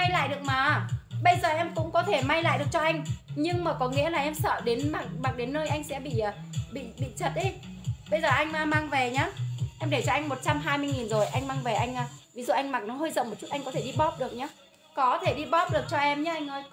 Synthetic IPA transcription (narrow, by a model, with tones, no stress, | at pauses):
a˧jla̰ː˧˨jɗɨ˨˩ək̚maː˨˦ɓə˧jzəː˨˩ʔɛ˧mkʊ̰˧˥ŋ͡mkɔ˨˦t̪ʰe˧˩ma˧jla̰ː˧˨jɗɨ˨˩ək̚t͡ɕɔ˧ʔa˧jŋ̟ɲɨ˧ŋmaː˨˩kɔ˨˦ŋḭ˧˥əlaː˨˩ʔɛ˧msə̰ː˧˨ɗe˨˦nmaː˨˩k̚maː˨˩k̚ɗe˨˦nːəː˧jʔa˧jŋ̟sɛ̰˧˥ɓḭ˧˨ʔəː˨˩ɓḭ˧˨ɓḭ˧˨t͡ɕə˨˩t̚ʔɗi˨˦ɓə˧jzəː˨˩ʔa˧jŋmaː˧maː˧ŋve˨˩ɲaː˨˧˦ʔɛ˧mɗe˧˩t͡ɕɔ˧ʔa˧ŋmo˨˩t̚t͡ɕa˧mɦaː˧jmɨ˧əjŋi˨˩nzo˨˩jʔa˧jŋmaː˧ŋve˨˩ʔa˧jŋ̟ʔaː˧vi˨˦zṵ˧˨ʔa˧jŋ̟ma˨˩k̚nɔ˨˦ɦəː˧jzə̰˧˨wŋ͡mo˨˩t̚t͡ɕu˦˥t̚ʔa˧jŋkɔ˨˦t̪ʰe˧˩ɗi˧ɓɔ˦˥p̚ɗɨ˨˩ək̚ɲaː˨˦ | kɔ˨˦t̪ʰe˧˩ɗi˧ɓɔ˦˥p̚ɗɨ˨˩ək̚t͡ɕɔ˧ʔɛ˧mɲaː˨˦ʔa˧jŋ̟ʔəː˧j